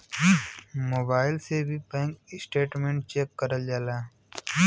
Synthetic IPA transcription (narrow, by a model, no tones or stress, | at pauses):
moːbaːɪlsebʱipẽːŋkɪsʈeːʈmẽːɳʈ̚t͡ʃeːkːəɾəld͡ʒaːlaː